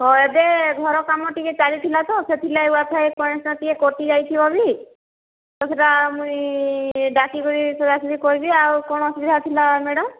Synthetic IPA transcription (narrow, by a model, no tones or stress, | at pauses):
ɦɔed̪eɡʱɔɾɔkamɔʈiket͡ʃalit̪ʰilat̪ɔset̪ʰilaeuat̪ʰajkɔjnsnɔt̪ikekoʈid͡ʒajt̪ʰibɔbi | t̪ɔsʰeʈamũj | ɖakikɔɾisɔd͡ʒasɔd̪ʱikɔɾibiawkɔɽ̃ɔsiɡd̪ʱat̪ʰilameɽɔm